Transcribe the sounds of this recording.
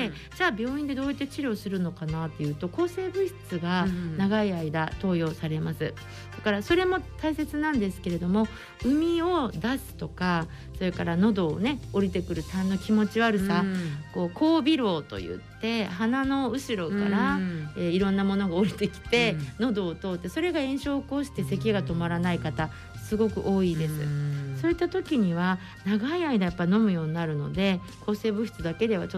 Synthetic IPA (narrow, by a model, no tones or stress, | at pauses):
e | d͡ʑaːbʲjo̞ːĩnd̪e̞d̪o̞ːjit̪ːet͡ɕiɾʲo̞ːsɨɾɯ̟no̞kanat̪ːe̞jɯ̟ːt̪o̞ko̞ːse̞ːbɯ̟çi̥t͡sɨɡanaɡaiaid̪at̪o̞ːjo̞ːsaɾe̞masɨ | d̪̥akaɾaso̞ɾe̞mo̞t̪aise̞t͡sɨnãnd̪e̞sɨ̥ke̞ɾe̞d̪o̞mo̞ | ɯ̟mʲio̞d̪asɨ̥t̪o̞ka | so̞ɾe̞kaɾano̞d̪o̞ːne̞o̞ɾʲit̪e̞kɯ̟ɾɯ̟t̪ãnːo̞kʲimo̞t͡ɕiaɾɯ̟sako̞ːkʰo̞ːbʲiɾo̞ːt̪o̞̰jɯ̟̰tt̪ːe̞ɦanano̞ɯ̟ɕiɾo̞ka̰ɾaeiɾõ̞nːamo̞no̞ɡaoɾʲit̪e̞kʲi̥t̪e̞no̞d̪o̞ːt̪o̞ːt̪ːe̞so̞ɾe̞ɡaẽ̞ɰ̃ɕo̞ːko̞ːɕi̥t̪e̞se̞kʲiɡat̪o̞maɾanaikat̪a | sɨɡo̞kɯ̟̰ʔo̞ːid̪e̞sɨ̰so̞ːit̪ːat̪o̞kʲiɲ̟iβa | naɡaiaid̪ajapːaino̞mɯ̟jo̞ːɲ̟inaɾɯ̟no̞̰d̪e̞ | kʰo̞ːse̞ːbɯ̟çi̥t͡sɨd̪ake̞d̪e̞βat͡ɕo